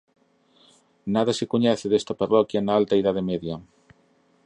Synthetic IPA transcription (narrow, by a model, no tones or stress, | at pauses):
naðɐsɪkoɲɛθɪðest̪aparɔkjɐnaalt̪ɐiðaðemeðjɐ